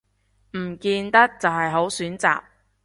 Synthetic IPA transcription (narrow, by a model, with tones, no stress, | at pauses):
m̩˨˩kiː˧nt̪ɐ˥k̚t͡sɐ˨wɦɐ˨jɦo˨˥wsyː˨˥nt͡sa̰ː˨p̚